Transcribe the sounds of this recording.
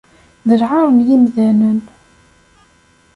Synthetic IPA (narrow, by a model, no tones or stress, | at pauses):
ðəɾʕaɾəmjimðænən